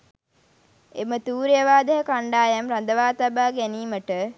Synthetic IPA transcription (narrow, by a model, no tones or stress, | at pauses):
emət̪uːɾjəʋaːd̪əɦəkaɳɖaːjamɾand̪əʋaːt̪abaːɡæniːməʈə